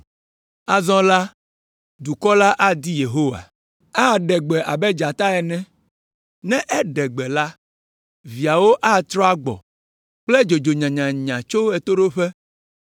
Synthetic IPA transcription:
a˦zɔ̃˦la˦ | d̪u˨kɔ˦la˦ʔa˦d̪i˦je˨ɦo˦wa̰˨ | a˦˨ɖɛ˨ɡ͡bɛ˨ʔa˨bɛ˦d͡ʒa˨t̪a˦ɛ˨nɛ̃˦ | nɛ̃˦ʔɛ˦ɖɛ˨ɡ͡bɛ˨la˦ | vi˨a˨wo˦ʔa˦t̪ɾɔ˦a˦ɡ͡bɔ̰˨ | k͡plɛ˦d͡ʒo˨d͡ʒo˨ɲã˨ɲã˨ɲã˨t͡ʃo˦ɛ˨t̪o˦ɖo˦ɸɛ˦

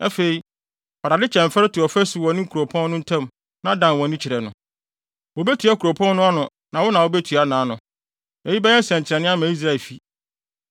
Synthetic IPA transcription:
ɛ˦fe˨i˨ | a˨ɾa˨dɪ˦t͡ɕʰɛ̃˨m̩˨fɛ˦ɪ˦tɪ˨ɔ˨fɛ˦su˨wɔ˨nɪ̃˦ŋ̩˦kʰu˨ɾo˨pʰɔ̃˦nː˦ʊ̃˦n̩˦tʰã˦˨m | nã˨˦dã˨nwɔ̃˨nɪ̃˦t͡ɕʰɪ˨ɾɛ˨nʊ̰̃˨ | wo˨bæ˦tʰɥa˦kʰu˨ɾo˨pʰɔ̃˦nːʊ̃˦a˦nʊ̃˨ | nã˨wɔ˦nã˨wo˦bɛ˦tʰɥa˦nãː˨˦nʊ̃˨ | nɛ˨ji˦bɛ˦ɛ̃˦n˦sɛ̃˨ɲ˨t͡ɕʰɪ˨ɾɛ˨nɪ̃˦a˦mã˨i˦s̬ɾa˦˨ɛ˨lfi˦

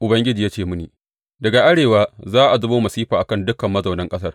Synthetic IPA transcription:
ʔʊ˨bɐ˦ŋɡʲɪ˦d͡ʒiː˨ja˦t͡ʃeː˦˨mʊ˦niː˨ | dɐ˨ɡa˨ʔa˦ɽeː˨waː˦zaː˦ʔa˨zʊ˦boː˦mɐ˨siː˦ɸaː˨ʔa˨kɐ˦˨ndʊ˦kɐ˨mːɐ˦zɐ˨wnɐ˦ŋkʼɐ˦s̬ɐ˦r

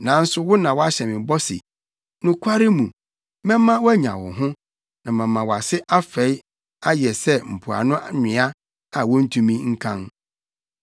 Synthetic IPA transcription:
nã˨˦n̩˦sʊ˦wʊ˦nã˨wɔ˦a˦ɕɛ˨mɪ̃˨bɔ˦sɪ̰˨ | nʊ̃˦kʷʰa˦ɾɪ˦mũ˨ | mɛ̃˦m˦mːã˦wæ˦ɲã̰˨wʊ̰˨ɦʊ̃˦ | nã˨mã˨mːã˨wɔ˨a˨sɪ˦ʔa˦fɛ˨˦j | a˦jɛ˨sɛ˦m̩˨pʰu˨a̰˨nʊ̃˦ʔɲɪ̃˨˦a˦ | a˨wɔ̃˦n̩˦tʰũ˦mĩ˦ŋ̩˦kʰã˦n

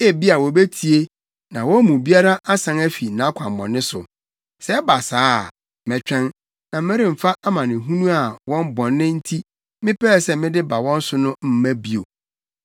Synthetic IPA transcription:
e˦˨bi˦a˨wɔ˨be˦tʰi˨e˦ | nã˨wɔ˦mũ˨bi˦a˦ɾa˦ʔa˦sã˨˦ŋæ˦fi˨nã˨˦kʷʰã˨m˨bɔ̰̃˨nːɪ̃˦sʊ̰˨ | sɛ˦ba˨saː˦˨ | mɛ˨t͡ɕᶣɛ̃˦n | nã˨m̩˦mɛ̃˦ɾĩ˦m̩˨fa˦ʔa˦mã˨nɪ̃˨ɦũ˦nũ˦a˨wɔ̃˦m˦bɔ̃˨nːɪ̃˦n̩˦tʰi˦ | mɪ̃˦pʰɛ˦˨sɛ˦mɪ̃˦dɪ˦ba˨wɔ̃˦n̩˦sʊ˦nʊ̃˦m̩˦mæ̃˦bi˨o˨

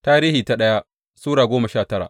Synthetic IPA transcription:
taː˦ɾiː˦hiː˨ta˨ɗɐ˦ja˦ | suː˦ɽaː˨ɡʷoː˦mɐ˨ʃaː˦˨tɐ˦ɽa̰˨ʔ

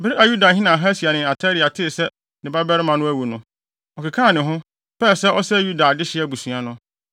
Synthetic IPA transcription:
bɪ˦ɾɪ˦a˨ju˦da˨ɦĩ˦nã˨ɦa˦si˨a˨nɪ̃˨a˨tʰa˦ɾi˨a˨tʰɪ˦˨sɛ˦ | nɪ̃˨ba˦bɛ˦ɾɪ˦mã˨nʊ̃˦æ˦wu˨nʊ̃˦ | ɔ˨kʰɪ˨kʰã˦˨nɪ̃˨ɦʊ̃˦ | pɛ˦˨sɛ˦ʔɔ˦sɛ˦ju˦da˨dɪ˦ɕɪ˦ɛ˦˨bu˨sũ˨a˨nʊ̃˦

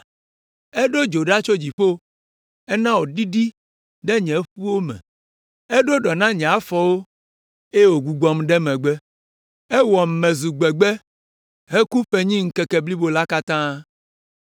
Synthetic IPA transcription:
ɛ˦ɖo˦d͡ʒo˨ɖa˦t͡ʃo˦d͡ʑi˨ɸo˦ | ɛ˦nã˦wo˨ɖi˦ɖi˦ | ɖɛ˦ɲɛ̃˨˦ɸu˦wo˦mɛ̰̃˨ | ɛ˦ɖo˦ɖɔ˨nã˦ɲɛ̃˨a˦fɔ˨wo˦ | e˦wo˨ɡu˨ɡ͡bɔ˨mɖɛ˦mɛ̃˨ɡ͡bɛ˦ | ɛ˦wɔ˨m̩˨mɛ̃˨zu˨ɡ͡bɛ˨ɡ͡bɛ˦ | ɦe˦ku˦ɸe˨ɲĩ˦ŋ̩˦kɛ˨kɛ˨bli˦bo˨la˦ka˦t̪ã˦

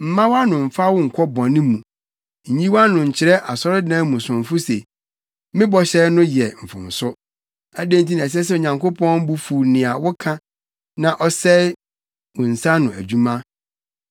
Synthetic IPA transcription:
m̩˨mã˦wa˦nʊ̃˨m̩˨fa˦wʊ˦ŋ̩˨kʷʰɔ˦bɔ̃˨nɪ̃˦mũ˨ | ɲ̩˨ɲĩ˦wa˦nʊ̃˨ɲ̩˨t͡ɕʰɪ˨ɾɛ˦ʔa˨sɔ˦ɾɪ˦dã˦mũ˨sʊ̃˨ɱ˨fʊ˦se˨ | mɪ̃˦bɔ˨ɕɛ˦nʊ̃˦jɛ˨m̩˨fʊ̰̃˨n˨sʊ˦ | æ˨dẽ˦n˦t̬ʰi˦nã˨s̬ɛ˦s̬ɛ˦˨o˨ɲã˨ŋkʰo˦pʰɔ̃˦m˦bu˦fu˨nɪ̃˨a˨wʊ˦kʰã˦ | nã˨ʔɔ˦sɛ˦ | wʊ̃˨n̩˨sa˦nʊ̃˨æ˨d͡ʑu˦mã˦

